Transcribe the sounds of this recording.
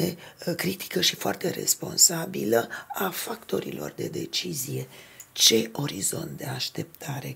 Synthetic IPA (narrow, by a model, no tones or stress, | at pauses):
ekɾit̪ʰi̥kəʃifoa̰rt̪e̞ɾe̞̰spo̞̰nsabiləafakt̪o̞ɾḭlo̞̰rd̪e̞d̪e̞̰t͡ʃizije̞t͡ʃe̞o̞ɾizo̞̰nt̪̚d̪e̞aʃt̪e̞p̚t̪ʰaɾe̞